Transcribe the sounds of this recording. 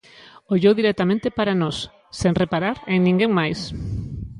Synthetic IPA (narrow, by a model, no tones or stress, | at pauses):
oʎewðiɾɛt̪amẽnt̪epaɾanɔsː | ẽŋrepaɾaɾeŋnĩŋɡẽŋmajs